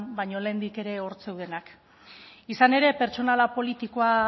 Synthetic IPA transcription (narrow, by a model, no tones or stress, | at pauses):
nbajɲo̞le̞ːnd̪ike̞ɾe̞o̞ɾt͡se̞wð̞e̞nak | isane̞ɾe̞pe̞ɾt͡so̞nalapo̞lit̪iko̞a